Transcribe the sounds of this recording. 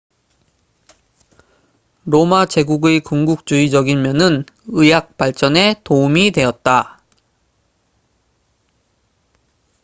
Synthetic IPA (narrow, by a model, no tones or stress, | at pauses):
ɾomat͡ɕe̞ɡuɡɯkuŋɡuk̚t͡ɕ͈uid͡ʑʌɡinmjʌnɯn | ɯjak̚p͈aɭt͡ɕ͈ʌne̞toumidwe̞jʌt̚t͈a